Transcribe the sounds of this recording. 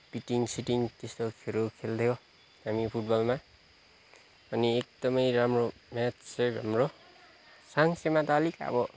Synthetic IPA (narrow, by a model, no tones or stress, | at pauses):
piʈiŋsiʈiŋt̪est̪okʰeɾokʰeld̪ʰjo | hamipʰuʈ̚bʌlma | ʌniek̚d̪ʌmʌjɾamromatsebɦamro | saŋsemat̪alikaʌ̰bʌ